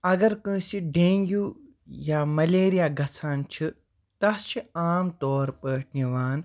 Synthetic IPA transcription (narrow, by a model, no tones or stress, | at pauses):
ɐɡɐɾkɨ̃ːsiɖẽːŋɡu | jaːmɐleːɾijaːɡʱɐt͡sʰaːnt͡ʃʰi | t̪ɐst͡ʃʰiaːmt̪ɔːɾpəːʈʰniʋaːn